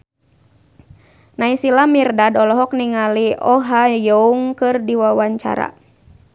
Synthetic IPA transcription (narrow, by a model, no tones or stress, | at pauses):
naisilamirdadɔlɔɦɔk̚niŋaliʔɔɦajouŋkɨrdiwawaɲt͡ʃa̰ɾa̰